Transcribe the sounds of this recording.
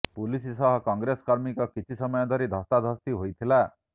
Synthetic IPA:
pulisisɔɦɔkɔŋɡɾeskɔɾmikɔkit͡ʃʰisɔmɔjɔd̪ʱɔɾid̪ʱɔst̪ad̪ʱɔst̪iɦojt̪ʰila

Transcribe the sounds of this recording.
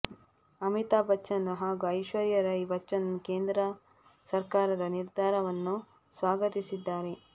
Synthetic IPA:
ɐmit̪aːbɐɐnuɦaːɡuɐjʃʋɐɾjɐɾɐibɐt͡ʃːɐnkeːnd̪ɾɐ | sɐɾkaːɾɐd̪ɐniɾd̪ʱaːɾɐʋɐnːu | sʋaːɡɐt̪isid̪ːaːɾe̞

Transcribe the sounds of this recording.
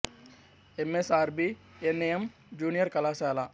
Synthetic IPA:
emesaːɾbiː | eneem | d͡ʒuːnijəɾkɐlaːsɛːlaː

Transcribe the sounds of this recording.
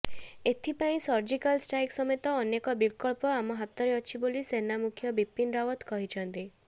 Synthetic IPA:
et̪ʰipaĩsɔɾd͡ʒikalsʈajksɔmet̪ɔːnekɔbilkɔɭpɔamɔɦat̪ːɔɾeɔt͡ʃʰibolisenamukʰjɔbipːinɾawɔt̪kɔɦit͡ʃʰɔnt̪i

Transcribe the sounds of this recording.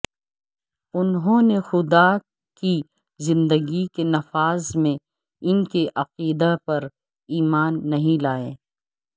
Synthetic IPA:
ʊnɦõːnexʊd̪a | ki | zɪ̃nd̪əɡikenɐfaːzmẽ | ɪnkeʔɐqiːd̪apɐɾ | iːmaːnːɐɦĩlaːẽː

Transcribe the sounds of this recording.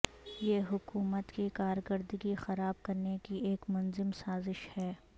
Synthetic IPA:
jeːɦʊkuːmət̪kikaːɾkəɾd̪əɡixɐɾaːb̚kɐɾnekieːkmʊnzɪmsaːzɪʃhɛː

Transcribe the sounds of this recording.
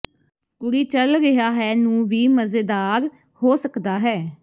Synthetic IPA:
kʊɾiːt͡ʃəlɾɪɦaːɦɛːnũːʋiːməzeːd̪aːɾ | hoːsəkd̪aːɦɛː

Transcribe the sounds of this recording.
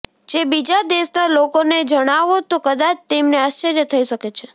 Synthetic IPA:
d͡ʒebid͡ʒad̪eʃnalokoned͡ʒəɽ̃aʋot̪okəd̪at͡ʃʰt̪emneaʃːəɾjət̪ʰəiʃəket͡ʃʰe

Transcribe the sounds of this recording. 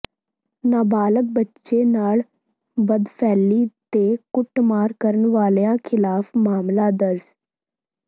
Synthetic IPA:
naːbaːlək̚bətːʃeːnaːl | bəd̪pʰɛːlːiːt̪eːkʊʈmaːɾkəɾənʋaːleːãːkʰɪlaːfʰmaːmlaːd̪əɾz

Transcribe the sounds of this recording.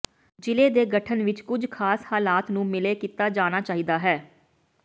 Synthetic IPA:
d͡ʒɪleːd̪eːɡəʈʰənʋɪt͡ʃkʊd͡ʒkʰaːshaːlaːt̪nũːmɪleːkiːt̪aːd͡ʒaːnaːt͡ʃaːɦiːd̪aːɦɛː

